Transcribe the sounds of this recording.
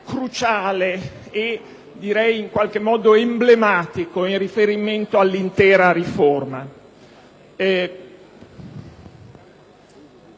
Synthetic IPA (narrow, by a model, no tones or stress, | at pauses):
kɾut͡ʃaːle | e | d̪iɾɛjiŋkwalk̟emːɔːd̪oemblemaːt̪ikoinrifeɾiment̪oalːint̪ɛːɾaɾiforma